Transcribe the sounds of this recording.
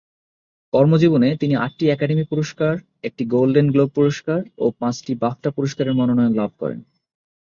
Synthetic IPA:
kɔɾmod͡ʑibonet̪inia̰ʈ̚ːiɛkaɖemipuɾoʃkaɾ | ek̚ʈiɡolɖenɡlob̚puɾoʃkaɾo̰pãt͡ɕʈibap̚ʈapuɾoʃkaɾeɾmanonɔjonlab̚ʱkɔ̰ɾḛn

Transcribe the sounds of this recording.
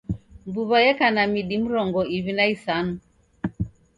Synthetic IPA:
mbuβajɛkanamiɗim̩ɾɔŋɡɔiβinaisanu

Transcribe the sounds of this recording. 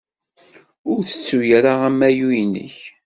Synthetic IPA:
ʊɾθə̥t͡sːujɾaʁæmːæjujnə̰ç

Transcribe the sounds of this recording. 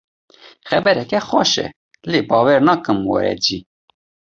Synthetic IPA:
xɛbɛɾɛkɛxɑʃɛ̰ | leːbɑːwɛɾnɑːkɨmwɛ̰ɾɛ̰d͡ʒi

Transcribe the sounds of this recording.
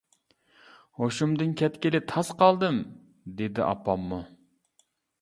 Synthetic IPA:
hoʃumd̪ɨnkʲʰɛt̪kʲɪlɪt̪ʰɑsqʰɑlˠd̪ɨm | d̪ed̪ɪ̰ʔɑ̰pːɑmːu

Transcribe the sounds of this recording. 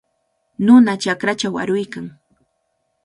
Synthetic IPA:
nʊnat͡ʃakɾat͡ʃawa̰ɾʊjkaŋ

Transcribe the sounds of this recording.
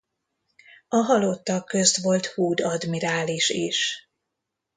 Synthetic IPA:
ɒɦɒlot̪ːɒkːø̞st̪ʋo̞lt̪huːd̪ɒd̪miɾaːliʃiʃ

